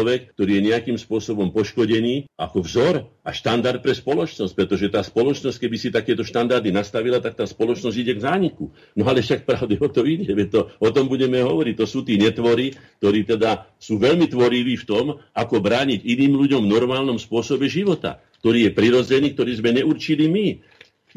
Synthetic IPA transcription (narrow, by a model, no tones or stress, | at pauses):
ɔʋɛkt̪ɔɾiːjɛɲɛakiːmspʊɔsɔbɔmpɔʃkɔɟɛniːakɔvzɔɾaʃt̪and̪aɾt̪̚pɾɛspɔlɔt͡ʃnɔsc̚pɾɛt̪ɔʒɛt̪aːspɔlɔt͡ʃnɔsckɛbisit̪akɛːt̪ɔʃt̪and̪aɾd̪inast̪aʋilat̪ak̚t̪aːspɔlɔt͡ʃnɔzɟiɟɛɡzaːɲiku | nɔalɛfʃakpɾaʊd̪ɛɔt̪ɔiɟɛʋɛt̪ɔɔt̪ɔmbuɟɛmɛɦɔʋɔɾic̚t̪ɔsuːt̪iːɲɛt̪ʋɔɾik̚t̪ɔɾiːt̪ɛd̪asuːʋɛʎmit̪ʋɔɾiʋiːft̪ɔmakɔbɾaːɲiɟiniːmʎuɟɔmvnɔɾmaːlnɔmspʊɔsɔbɛʒiʋɔt̪a̰k̚t̪ɔɾiːjɛpɾiɾɔd͡zɛniːk̚t̪ɔɾiːzmɛɲɛuɾt͡ʃilimi